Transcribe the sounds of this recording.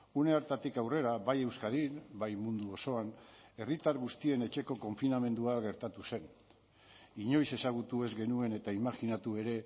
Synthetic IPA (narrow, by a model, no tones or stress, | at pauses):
une̞aɾt̪at̪ikawre̞ɾaβaje̞wskaðiɾbajmund̪uo̞so̞ane̞rit̪aɾɣust̪ie̞ne̞t͡ʃe̞ko̞ko̞ɱfiname̞nd̪uaɣe̞ɾt̪at̪use̞n | iɲo̞jse̞saɣ̞ut̪ue̞zɡe̞nue̞ne̞t̪aimaxinat̪ue̞ɾe̞